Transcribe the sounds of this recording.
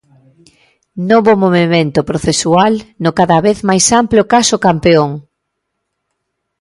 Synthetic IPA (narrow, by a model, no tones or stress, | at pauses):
noβomoβemẽnt̪ʊpɾoθesualnʊkaðaβeθmajsampljokasʊkampeoŋ